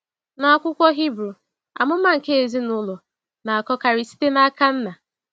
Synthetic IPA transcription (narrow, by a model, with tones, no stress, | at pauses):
na˨a˦˨kʷʊ˦kʷɔ˦ɦi˦bɾu˨ | a̰˨mʊ˦ma˦ŋ̩˨ke˦e˨zi˦nʊ˦lʊ˨ | na˨a˨kɔ˦ka˨ɾɪ˨si̥˦te˦na˦a˦ka˦n̩˦na˨